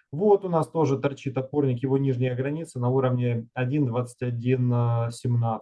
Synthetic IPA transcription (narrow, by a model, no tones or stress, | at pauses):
vot̪ʊnast̪o̞ʐɨt̪ɐrt͡ɕit̪ɐt̪̚po̞rnʲɪkjɪvo̞nʲiʐnʲɪjəɡɾɐnʲit̪sɨnɐuɾəvnʲɪɐdʲind̪vat̪sɨ̥tʲɐdʲinsʲɪmna